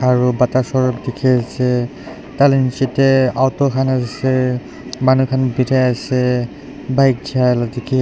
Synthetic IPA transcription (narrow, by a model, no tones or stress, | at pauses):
aɹubatasɔɹɔp̚dekʰiasɛ | talɛnsitɛawtɔkʰanasɛ | manukʰanbitʰajasɛ | bajk̚d͡ʒialdekʰi